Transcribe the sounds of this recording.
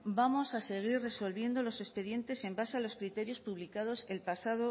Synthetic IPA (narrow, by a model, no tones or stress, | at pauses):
bamo̞sase̞ɣ̞irre̞so̞lβ̞je̞nd̪o̞lo̞se̞spe̞ðje̞nt̪e̞se̞mbasealo̞skɾit̪e̞ɾjo̞spuβlikað̞o̞se̞lpasaðo